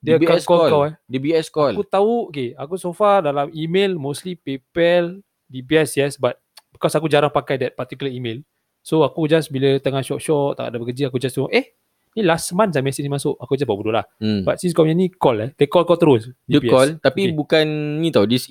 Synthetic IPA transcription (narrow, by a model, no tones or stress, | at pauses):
diəbakɔllkawɛdibiɛskɔlkut̪aukeakusofadalamimelmoslipepɛl | dibiɛsjɛsbat̪̚bəkɔsakud͡ʒaɾaŋpakajdɛt̚pat̪ikuləimel | soakud͡ʒasbilət̪əŋaʃɔʔ̚ʃɔʔt̪a̰ka̰ʔdabəkəd͡ʒəakud͡ʒast̪uɔʔɛh | nilasmãnsamɛsinimasʊʔakud͡ʒasbabudoʔlah̩bat̪̚siskɔɲənikɔlɛdəkɔlkɔlt̪əɾosdiəpiɛɔlt̪apibukanɲĩt̪audis